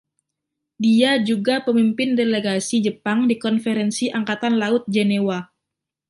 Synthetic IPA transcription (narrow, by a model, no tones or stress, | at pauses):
diad͡ʒuɡapəmimpɪndeleɡasid͡ʒəpaŋdikɔnfeɾɛnsiʔaŋkat̪anlaʊt̪̚d͡ʒenewa